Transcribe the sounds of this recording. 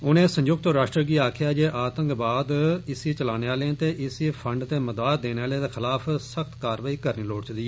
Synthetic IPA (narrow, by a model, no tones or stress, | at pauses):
ʊnẽːsə̃ɲd͡ʒʊɡ̚t̪ɾaːʃʈɾəɡiːaːkʰjaːd͡ʒeːʔaːt̪ə̃ŋkbaːd̪ɪsiːt͡ʃəlaːneːaːlẽt̪eːʔɪsipʰəɳɖt̪eːməd̪aːt̪̚d̪eːneːaːleːd̪eːxʰɪlaːpʰsəkt̪kaːɾʋaːiːkəɾniːloːɽt͡ʃd̪iːɛː